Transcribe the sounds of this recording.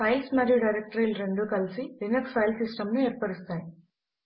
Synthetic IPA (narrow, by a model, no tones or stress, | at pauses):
pɐjlsmɐɾjuɖɐjɾek̚ʈɾiːlɾe̞ɳɖuːkɐlisilinekspʰɐjlsisʈɐmnueːɾpɐɽist̪aːji